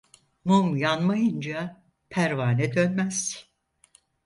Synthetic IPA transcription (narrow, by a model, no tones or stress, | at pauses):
mumjanmajɯnd͡ʒa | pʰæɾvaːnɛd̪ø̞nmæz̥